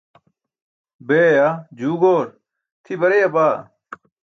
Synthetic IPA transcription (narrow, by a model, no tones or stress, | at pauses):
beːad͡ʑuːɡoːɾ | t̪ʰibɐɾejɐbaː